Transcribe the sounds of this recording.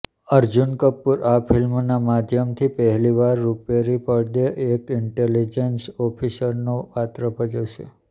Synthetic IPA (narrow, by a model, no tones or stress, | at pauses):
əɾd͡ʒunkəpːuɾapʰilmnamad̪ʱjəmt̪ʰipəɦɛliʋaɾːupjaɾipəɽd̪eʔekɪɳʈelid͡ʒensɔpʰisəɾnopat̪ɾəpəd͡ʒəʃḛ